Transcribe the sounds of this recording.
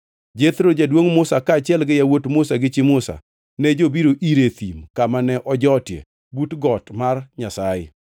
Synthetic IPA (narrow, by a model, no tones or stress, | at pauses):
d͡ʒet̪ɾod͡ʒadwoŋmʊsakaːt͡ʃɪɛlɡɪjawotmʊsaɡɪt͡ʃɪmʊsa̰ | nɛd͡ʒobiɾoʔiɾet̪imkamanɛʔɔd͡ʒɔtjḛ | butɡɔtmarɲasajɪ̰